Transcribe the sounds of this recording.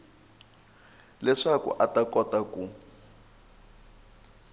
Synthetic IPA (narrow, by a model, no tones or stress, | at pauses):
lɛʂakṵʔatakɔtaku